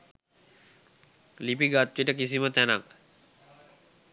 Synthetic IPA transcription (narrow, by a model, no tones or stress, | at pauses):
lipiɡat̪ːʋeʈəkisimət̪ænak